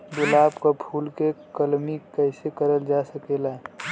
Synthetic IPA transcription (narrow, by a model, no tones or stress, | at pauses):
bʊlaːbkapʰuːlkekəlmikəɪsekəɾəld͡ʒasəkelaɛ